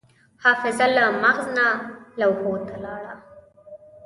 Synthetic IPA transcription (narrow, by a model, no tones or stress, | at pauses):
hɑːfɪzalamaɣznalawhot̪alɑːɽa